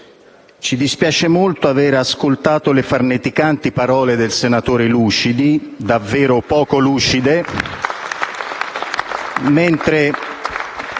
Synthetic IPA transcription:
t͡ʃid̪ispjaːt͡ʃemolt̪oavɛːɾaskolt̪aːt̪olɪfarnet̪ikant̪ipaɾɔːled̪elsenat̪oːɾeluːt͡ʃid̪id̪avːɛːɾopɔːkoluːt͡ʃid̪e | ment̪ɾe

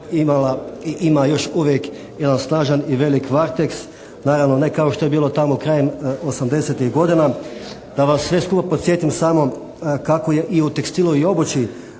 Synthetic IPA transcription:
imalaiʔimajo̞ʃuʋjek | je̞d̪ansnaːʒaniʋe̞likʋaɾt̪eks | naːɾaʋnone̞kao̞ʃt̪o̞je̞biːlˠo̞t̪amokɾaːjemosamd̪e̞set̪iɣɡo̞d̪ina | d̪̥aʋasːʋe̞skupapot̪sje̞t̪imsamo̞ | kakoje̞ʔiut̪ekst̪ilˠuio̞bot͡ʃi

